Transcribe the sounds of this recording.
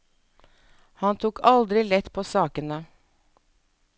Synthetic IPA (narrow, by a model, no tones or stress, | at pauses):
hɑnt̪ʰuːkʰɑld̪ɾɪlɛt̪ːpʰoːsɑːkənə